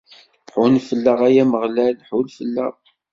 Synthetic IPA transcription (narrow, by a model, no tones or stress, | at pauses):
pħʊnfəlːəʁæjæməʁlælħulfəlːə̰ʁ